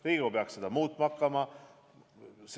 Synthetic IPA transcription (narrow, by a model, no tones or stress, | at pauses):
riːɡupeɑkse̞d̪̥ɑmuːt̪ːˑmɑkˑːɑmɑ | s